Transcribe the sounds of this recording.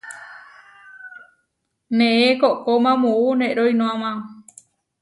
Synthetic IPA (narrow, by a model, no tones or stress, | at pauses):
mẽẽkoʔkomãmuunẽʔɾojnõãmã